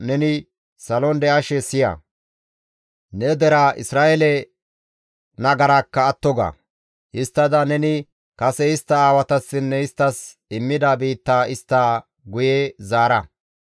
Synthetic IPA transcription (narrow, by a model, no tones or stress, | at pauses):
nɛnɪ | sɐlɔnd̪ɛɐʃɛsɪjɐ̰ | nɛd̪ɛɾaʔɪ̰sɾaːʔɛlɛ | nɐɡɐɾaːkːɐːt̪ːɔɡa̰ː | ɪst̪ːɐd̪ɐnɛnɪ | kɐsɛɪst̪ːɐaːwɐt̪ɐsːɪnːɛɪst̪ːɐs | ɪmːɪd̪ɐbiːt̪ːaːʔɪst̪ːaː | ɡʊjɛzaːɾɐ